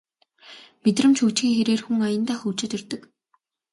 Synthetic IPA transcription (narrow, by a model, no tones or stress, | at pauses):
met̪rə̆mt͡ɕʰxut͡ɕɡiːŋxeɾeːrxuŋajə̆nt̪aːxut͡ɕɪ̆t̪ɵrt̪ə̆k